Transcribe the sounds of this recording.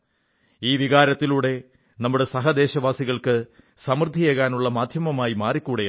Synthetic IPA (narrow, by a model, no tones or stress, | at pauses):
iːʋiɣaːɾɐt̪ːiluːɽe̞ | nɐmːuɽe̞sɐɦɐd̪e̞ːɕɐʋaːsiɣɐɭkɨ | sɐmrɨd̪ʱːijeːɣaːnuɭːɐmaːd̪ʱjɐmɐmaːjimaːrikʲːuːɽe